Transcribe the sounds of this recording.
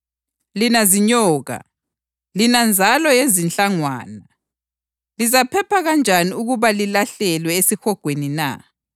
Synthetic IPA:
linaziɲɔːɣa̰ | linand͡zʱalɔjezint͡ɬʼaŋwa̰ːna | lizapʰɛpʰaɣand͡ʒʱaniuɣuβalilaɬɛlwɛesixɔɡ̥ʱwenina̰

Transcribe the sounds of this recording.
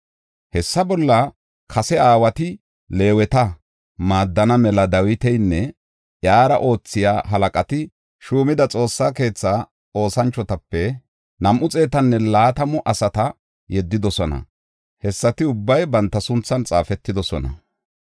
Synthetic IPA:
hɛsːɐbɔlːɐ | kʰɐsɛaːwɐt̪ɪ | le̞ːwɛt̪ɐ | maːd̪ːɐnɐmɛlɐd̪ɐwɪt̪ɛjnːɛ | ʔjaːɾɐ̰ʔo̞ːt͡sːɪja̰ːɦɐlɐkʼɐt̪ɪ | ʃuːmɪd̪ɐt͡sʼo̞ːsːaːke̞ːt͡sːa | o̞ːsɐnt͡ʃːɔt̪ɐpːɛ | nɐmʔʊt͡sʼe̞ːt̪ɐnːɛlaːt̪ɐmɔʔɐsɐt̪ɐ | jɛd̪ːɪd̪ɔsɔnɐ̰ | hɛsːɐt̪ɪʊbːɐjbɐnt̪ːɐsʊnt͡sːɐnt͡sʼaːfɛt̪ːɪd̪ɔsɔnɐ̰

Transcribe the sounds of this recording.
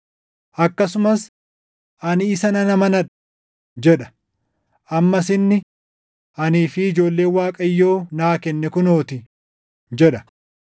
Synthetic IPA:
ʔɐkːɐsʊmɐs | ʔɐnɪːsɐnɐnɐmɐnɐᶑ | d͡ʒɛᶑɐ̥ | ʔɐmːɐs̬ɪnːɪ | ʔɐniːfɪɪd͡ʒo̞ːlːe̞ːnwaːkʼɐjːo̞ːnaːkɛnːɛkʊnoːt̪ɪ | d͡ʒɛᶑɐ̥

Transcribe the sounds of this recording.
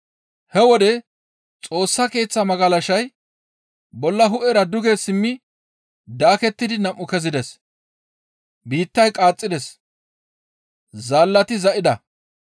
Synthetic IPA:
hɛwɔd̪ɛ | t͡sʼo̞ːsːɐke̞ːt͡sːɐmɐɡɐlɐʃɐj | bɔlːɐɦʊʔɛɾɐd̪ʊɡesɪmːɪ | d̪aːkɛt̪ːɪd̪ɪnɐmʔːʊkɛzɪd̪ɛs | biːt̪ːɐjkʼaːt͡sʼːɪd̪ɛs | zaːlːɐt̪ɪzɐʔɪd̪ɐ

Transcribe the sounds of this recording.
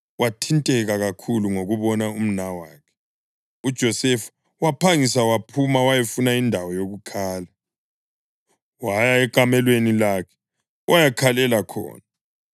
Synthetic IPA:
watʰintʼɛɣaɣakʰuluŋoɣuβɔnaum̩nawaːkʰɛ̥ | ud̥ʒ̥ʱɔsɛfu̥ | wapʰaŋisawapʰumawajefunaindʱawɔjoɣukʰaːla | wajaɛkʼamɛlwenilaːkʰɛ̥ | wʔajakʰalɛlakʰɔ̰ːna

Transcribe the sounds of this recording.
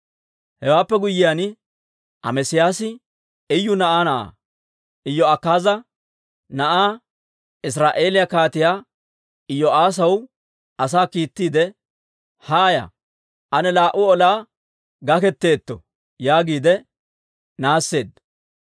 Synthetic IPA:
hɛwaːpːɛɡʊjːɪjaːn | ʔɐ̰mɛsɪjaːsɪ | ɪjːʊnɐʔaːnɐʔa̰ː | ʔɪjːɔɐkːaːzɐ | nɐʔaː | ɪs̬ɾaːʔe̞ːlɪjakaːt̪ɪjaː | ɪjːɔaːs̬ɐw | ʔɐsaːkiːt̪ːiːd̪ɛ | haːja̰ | ʔɐnɛlaːʔʊɔlaː | ɡɐkɛt̪ːe̞ːt̪ːɔ̰ | jaːɡiːd̪ɛ | naːsːe̞ːd̪ː

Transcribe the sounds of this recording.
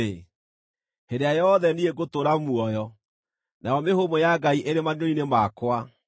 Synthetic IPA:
e | hedeajɔðɛnieɡotoɾamuɔjɔ | najɔmehomojaɡaiʔeɾemanoinemakwa

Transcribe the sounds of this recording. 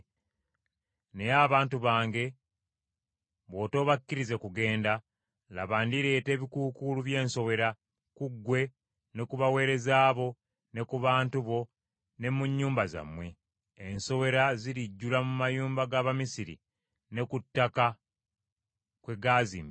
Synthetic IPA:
nejaβaːntuβaːŋɡe̞ | βo̞ːto̞ːβakːiɾize̞kuɡe̞ːnda | la̰βaːndiɾe̞ːte̞ːβikuːkuluβje̞ːnso̞we̞ɾa | kuɡːwe̞ | ne̞kuβawe̞ːɾe̞zaːβo̞ | ne̞kuβaːntuβo̞ | ne̞muɲːuːmbaza̰mːweː | nso̞βe̞ɾaziɾiɟːulamumajuːmbaɡaːβamisiɾḭ | ne̞kutːaka | kwe̞ɡaːzḭːmbi

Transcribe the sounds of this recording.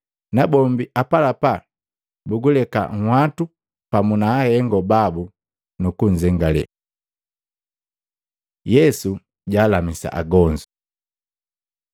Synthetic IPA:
nabɔmbiʔapalapa | buɡulɛka̰ŋ̩hwatu | pamunaːhɛŋɡɔbabu | nukuɲ̩d͡ʒɛŋɡalɛ̰ | jɛsu | ɟaːlamisa̰ʔa̰ɡɔɲd͡ʒu

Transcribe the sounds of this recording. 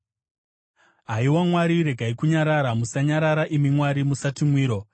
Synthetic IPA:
ɦaiwamwaɾiɾe̞ɡʱaikuɲaɾaɾamusaɲaɾaɾaʔimimwaɾimusatimwiːɾo̞

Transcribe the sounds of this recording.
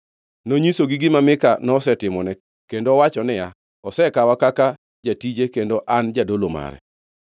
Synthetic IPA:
noɲisoɡiɡɪmamɪkanɔsɛtɪmɔnɛ | kendowat͡ʃɔnɛja | ɔsɛkawakaka | d͡ʒatid͡ʒekendoʔand͡ʒadoloma̰ɾɛ̰

